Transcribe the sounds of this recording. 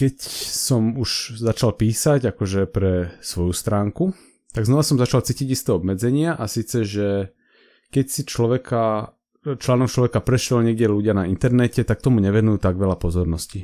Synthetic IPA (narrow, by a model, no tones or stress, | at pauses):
kɛcsɔmuʃzat͡ʃalpiːsaɟakɔʒɛpɾɛsʋɔjust̪ɾaːŋku | t̪aɡznɔʋasɔmzat͡ʃalt͡siːciɟist̪ɛːɔbmɛd͡zɛɲɪaʔasiːt͡sɛʒɛ | kɛcsit͡ʃlɔʋɛka | t͡ʃlaːnɔk̚t͡ʃlɔʋɛkapɾɛʃɛlɲɛɡɟɛluɟɪanaint̪ɛɾnɛcɛt̪ak̚t̪ɔmuɲɛʋɛnujuːt̪aɡʋɛlapɔzɔɾnɔsci